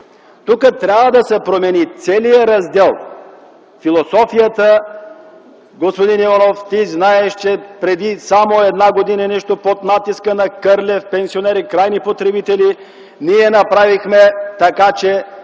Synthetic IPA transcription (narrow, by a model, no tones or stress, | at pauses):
t̪ukət̪ɾʲavvəd̪ɐsɛpɾomɛnit̪sɛlijəɾɐzd̪ɛlˠ | filˠosɔfijət̪ə | ɡospod̪inivanoft̪iznaɛʃt͡ʃɛpɾɛd̪isamoɛd̪naɡod̪inɐnɛʃt̪opot̪nat̪iskənɐkəɾlʲɛfpɛnsionɛɾikɾajnipot̪ɾɛbit̪ɛli | niɛnɐpɾavixmɛt̪ɐkat͡ʃɛ